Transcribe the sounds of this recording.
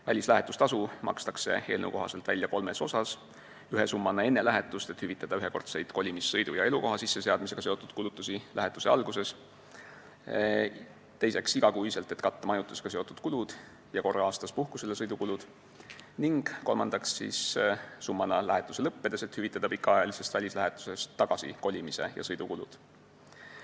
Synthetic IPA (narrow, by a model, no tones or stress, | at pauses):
vælʲislæɦe̞t̪ːˑust̪ɑsumɑ̰kst̪ɑkse̞̰e̞ːlnə̰w̰ko̞ɦɑse̞lt̪vælʲjɑko̞lme̞so̞sɑs | yɦesumːɑnːɑe̞nːe̞læɦet̪ːˑust̪e̞t̪hyvit̪ˑːɑd̪ɑyɦeko̞rt̪se̞jd̪̥ko̞lʲimisːɤjd̪ujɑe̞luko̞ɦɑsisːe̞se̞ɑd̪miseɡ̥ɑseo̞t̪ːud̪̥kulut̪ˑːusilæ̰ɦet̪ːˑu̥se̞ɑ̰lɡ̥use̞s | t̪e̞jse̞ksiɡ̥ɑkujiselt̪e̞t̪kɑt̪ːɑmɑjut̪ːˑuseɡ̥ɑse̞o̞t̪ud̪̥̚kulud̪̥ | jɑko̞rːɑɑːst̪ɑspuhku̥selːesɤjd̪ukulud̪̥ | niŋɡ̥ko̞̰lmɑnd̪ɑksːḭssumːɑnɑlæɦet̪ːˑuse̞lɤpːe̞d̪̥e̞se̞t̪hyvit̪ːˑɑd̪̥ɑpikːˑɑɑjɑlise̞st̪vælʲislæɦet̪ːˑu̥se̞st̪ːɑɡ̥ɑsḭko̞lʲimise̞̰jɑ̰sɤjd̪̥ukulṵd̪̥